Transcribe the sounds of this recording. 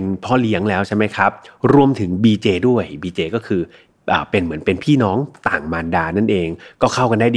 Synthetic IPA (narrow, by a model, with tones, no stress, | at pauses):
npʰɔː˥˩li˦˥əŋlɛː˦˥wt͡ɕʰa˥˩jma˦˥jkʰa˦˥p̚ɾu˧əmt̪ʰɯ˩˦ŋbiː˧t͡ɕeː˧du˥˩əjbiː˧t͡ɕeː˧kɔː˥˩kʰɯː˧ | ʔa̰ː˨˩pe˧nmɯ˩˦ənpe˧npʰiː˥˩nɔː˦˥ŋt̪a̰ː˨˩ŋmaː˧ndaː˧na˥˩nʔeː˧ŋkɔː˥˩kʰa˥˩wka˧nda˥˩d